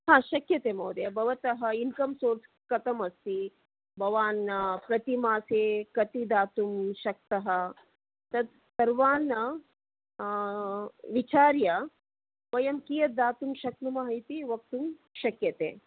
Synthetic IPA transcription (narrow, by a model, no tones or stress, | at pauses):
ɦãːʃɐkjɐt̪eːmɐːd̪jɐbʱɐʋɐt̪ɐɦɐinkɐmsoːɾs | kɐt̪ɐmɐst̪i | bʱɐʋaːnːɐpɾɐt̪imaːseːkɐt̪id̪aːt̪umʃɐk̚t̪ɐɦɐ | t̪ɐd̪̚ | sɐɾʋaːnːɐ | ʋit͡ʃaːɾjɐ | ʋɐjɐmkijɐt̪̚d̪aːt̪umʃɐk̚numaːɦit̪iʋɐk̚t̪umʃɐkjɐt̪ḛː